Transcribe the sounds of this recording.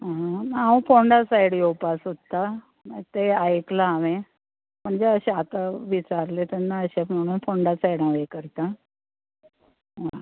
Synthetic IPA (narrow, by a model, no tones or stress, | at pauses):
ɦãnaaũfoɳɖasajɽjopasɦot̪ːa | t̪eajeklaːʋe | m̤əɳd͡zeəɕeat̪aʋit͡ɕaɾlet̪ɛnːaəɕem̤əɽ̃uːnfoɳɖasajɽãʋekəɾt̪a | ɦã